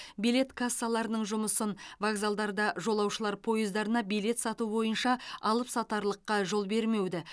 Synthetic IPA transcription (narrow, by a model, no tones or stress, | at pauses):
bijle̞t̪kʰasːalˠɑɾənəɴʒʊməsənvaɡzalˠd̪ɑɾd̪ɑʒo̞lˠɑwʃəlˠɑɾpʰo̞jəzd̪ɑɾənɑbijle̞t̪sɑt̪ubo̞jənʃɑɑlˠəpsɑt̪ɑɾlˠəqːɑʒo̞lˠbe̞ɾme̞wd̪ɪ